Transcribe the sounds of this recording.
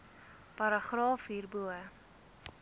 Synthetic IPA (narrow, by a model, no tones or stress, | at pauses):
pɐɾəχrɑːfiːrbuə